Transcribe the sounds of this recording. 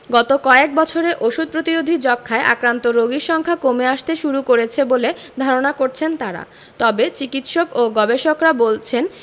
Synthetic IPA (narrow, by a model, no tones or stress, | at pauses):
ɡɔt̪okɔek̚bɔt͡ɕʰoɾeʔoʃud̪̚pɾot̪iɾod̪ʱid͡ʑɔkʰːaeʔa̰kɾant̪oɾoɡiɾʃɔŋkʰakomeaʃt̪eʃuɾukoɾet͡ɕʰebole | d̪ʱaɾonakoɾt͡ɕʰent̪aɾa̰ | t̪ɔbet͡ɕikit̪ʃokoɡɔbeʃokɾabolt͡ɕʰen